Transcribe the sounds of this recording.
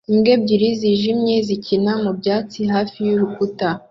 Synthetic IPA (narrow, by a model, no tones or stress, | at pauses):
imɡe̞b̚ɟiɾiziʒimɲe̞zicʰinamubɟaːt͡siɦaːfijuɾukuta